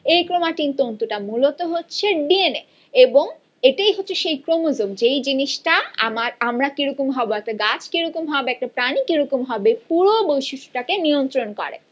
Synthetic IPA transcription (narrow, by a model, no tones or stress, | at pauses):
ejkɾomaʈint̪ont̪uʈamulot̪oɦotːɕʰeɖiene | eboŋ | eʈajɦotːɕʰeʃejkɾomozobd͡ʑejd͡ʑiniʃʈaa̰maɾamɾakiɾokomɦɔboɛk̚ʈaɡat͡ɕʰkiɾokomɦɔbeɛk̚ʈapɾanikiɾokomɦɔbepuɾobojʃuʃu̥ʈakeniont̪ɾonkɔ̰ɾḛ